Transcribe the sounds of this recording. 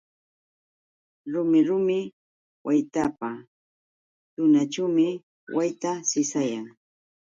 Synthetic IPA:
tɾʊmɪɾʊmɪ | wajt̪apa | t̪ʊnat͡ʃamɪ | wajt̪asɪsajaŋ

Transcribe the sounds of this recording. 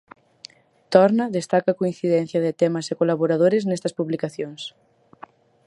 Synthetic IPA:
t̪ɔɾnɐðest̪akɐkoinθiðɛn̟θjɐðɪt̪emɐsekolaβoɾaðoɾɪznest̪ɐspuβlikaθjoŋs

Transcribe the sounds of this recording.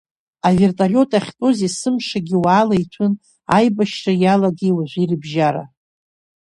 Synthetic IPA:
ave̞rtʼalʲo̞tʼaχʲtʼozisɨmʂaɡʲɪwaːlaitʷʰʊn | ajbaʃrajalaɡewaʒʷirɨbʒaɾa̰

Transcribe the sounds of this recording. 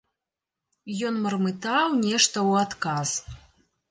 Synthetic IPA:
jɔnmɐrmɨt̪awnʲɛʂt̪ɐwat̪kaz

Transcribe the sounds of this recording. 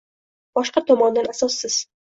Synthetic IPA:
b̥ɒʃqɑt̪ʰɒmɒnd̪anasɒsːɪz̥

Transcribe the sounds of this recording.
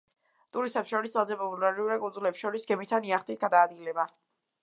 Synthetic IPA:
t̪ʼuɾist̪ʰʼɛpsʃɔɾisd̪zalˠzɛpɔbulaɾiuɾɛkʼunzulɛpsʃɔɾisɡɛmit̪ʰːaniaχt̪ʼit̪ʰɡad̪aːd̪ɡilɛba

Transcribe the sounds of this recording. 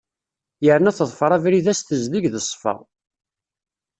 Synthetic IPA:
jəɾənæθðˤfɾˤævɾiðæsθəzliʝðəsˤfɑ̰ʁ

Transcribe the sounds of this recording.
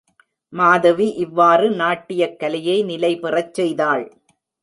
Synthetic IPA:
maːðɐʋiʔɪʋːaːrɯnaːʈːɪjɐkːɐlɪjɐɪnɪlɐɪpɪrɐt͡ʃːɛjðaːɭ

